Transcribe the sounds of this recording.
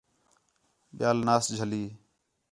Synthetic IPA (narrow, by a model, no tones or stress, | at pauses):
ɓɪjaːlnaːsd͡ʒʱəliː